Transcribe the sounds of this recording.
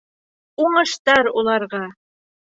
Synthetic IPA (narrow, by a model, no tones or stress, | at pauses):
uɴɤ̆ʃt̪ɑɾulˠɑɾʁɑ